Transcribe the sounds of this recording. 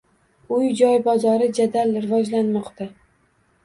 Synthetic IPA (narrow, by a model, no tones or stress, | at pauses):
ʊjd͡ʒɒjbɒzɒɾɪd͡ʒad̪alɾɪvɒd͡ʒlanmɒqt̪ʰa